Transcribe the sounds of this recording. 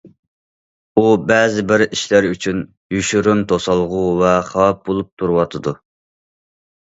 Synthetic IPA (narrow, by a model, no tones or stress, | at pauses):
ubɛːzɪbɪɾiʃlæɾyt͡ʃʰyn | jyʃyɾymt̪ʰosɑlˠʁuvɛχɑp̚bolˠup̚t̪ʰuɾwɑt̪ʰɨd̪u